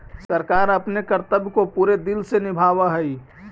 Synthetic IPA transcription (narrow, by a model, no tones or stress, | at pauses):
səɾkaːɾəpnekəɾt̪əbkopuːɾed̪ɪlsenɪbʱaːʋaɦɛi